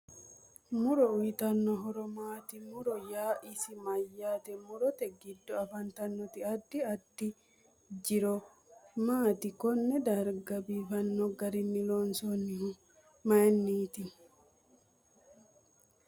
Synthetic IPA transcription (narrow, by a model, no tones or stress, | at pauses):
mʊɾɔʊjɪt̪ɐnːɔɦɔɾɔmaːt̪ɪmʊɾɔjaːʔɪsɪmɐjːaːt̪ɛmʊɾɔt̪ɛɡɪd̪ːɔɐfɐnt̪ɐnːɔt̪ɪɐd̪ːɪɐd̪̥ːɪ | d͡ʒɪɾɔ | maːt̪ɪkɔnːɛd̪ɐɾɡɐbiːfɐnːɔɡɐɾɪnːɪlonsɔnːɪ | mɐjnːiːt̪ɪ